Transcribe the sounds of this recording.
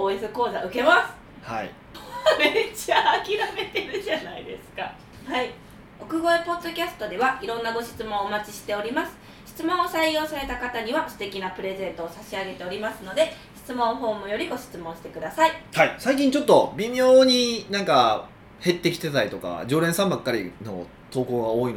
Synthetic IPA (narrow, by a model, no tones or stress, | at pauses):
oesɨko̞ːza̰ɯ̟ke̞masɨ̥ | ha̰ḭ | met͡ɕaːkʲiɾame̞t̪e̞ɾɯ̟ʑanaḭd̪e̞̰sɨ̥ka | hai | o̞kɯ̟ɡo̞epo̞d̪ːo̞kʲasɨ̥t̪o̞d̪e̞βaiɾõ̞nːaɡo̞ɕi̥t͡sɨmõ̞ɰoːmat͡ɕiɕi̥t̪e̞o̞ɾʲimasɨ̥ | ɕi̥t͡sɨmõɰ̃osaijo̞ːsaɾe̞t̪akat̪aɲ̟iβasɨ̥t̪e̞kʲinapɯ̟ɾe̞zẽ̞nt̪o̞ːsaɕiaɡe̞t̪e̞o̞ɾʲimasɨno̞d̪e̞ɕi̥t͡sɨmõ̞ɰ̃ɦo̞ːmɯ̟jo̞ɾʲiɡo̞ɕi̥t͡sɨmõɕi̥t̪e̞kɯ̟d̪asaihaisaikʲĩɲ̟t͡ɕo̞t̪ːo̞bʲimʲjoːɲ̟inãŋka | he̞t̪ːe̞kʲi̥t̪et̪aɾit̪o̞ka̰d͡ʑo̞ːɾeɰ̃sãmbakːaɾʲḭno̞̰ | t̪o̞ːko̞ːɡaoːin